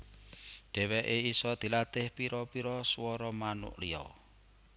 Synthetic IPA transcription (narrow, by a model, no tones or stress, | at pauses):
ɖ̥ɛ̤wɛʔeisɔd̪̥i̤lat̪ɪhpiɾɔpiɾɔswɔɾɔmanʊ̰ʔliɔ̰